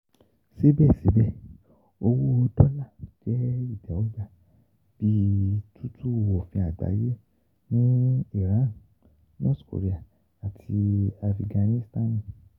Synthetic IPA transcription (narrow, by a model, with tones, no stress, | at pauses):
si˦bɛ˦˨si˨˦bɛ˦˨ | o˧wu˦o˧dɔ˦la˦˨d͡ʒɛ˦i˦˨dɛ˨wo˦d͡ʒa˦˨ | b̥i˦tʰu˦tʰu˦˨wo˨fĩ˧a˨ɡ͡ba̰˨˦je˦ | nĩ˦i˦˨ɾã˨˦n˨ | nɔ̰˦˨tko̰˨ɾe˦a˦˨ | a˨tʰi˧a˧fi˧˨ɡã˧nĩ˦sta˦nĩ˦˨